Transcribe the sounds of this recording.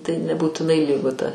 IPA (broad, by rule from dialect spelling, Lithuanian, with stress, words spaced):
tɐɪ nʲɛbuːtʲɪˈnɐɪ ˈlʲiːɡʊ tɐ